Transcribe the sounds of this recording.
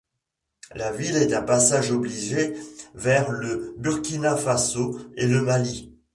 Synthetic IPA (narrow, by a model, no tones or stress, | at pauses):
lavilɛt̪ɛ̃pasaʒɔbliʒevɛʁləbyʁkʲinafasoeləmali